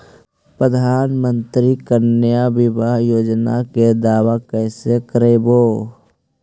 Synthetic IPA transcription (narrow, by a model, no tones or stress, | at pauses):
pɾəd̪ʱaːnmə̃nt̪ɾikəɾnjaʋɪbaɦjoːd͡ʒna̰ked̪aːwakɛːsekəɾeboː